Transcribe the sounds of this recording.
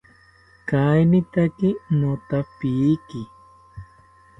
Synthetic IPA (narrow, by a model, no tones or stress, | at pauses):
kajnɪt̪akɪnot̪apiːki